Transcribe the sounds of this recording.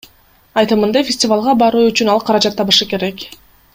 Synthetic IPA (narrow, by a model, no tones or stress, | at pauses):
ɑjt̪ɯmɯnd̪ɑfʲɪsʲtʲɪvalˠʁɑbɑɾuːyt͡ʃynɑlˠqʰɑɾɑd͡ʒɑt̪ːɑβɯʃɯke̞ɾe̞k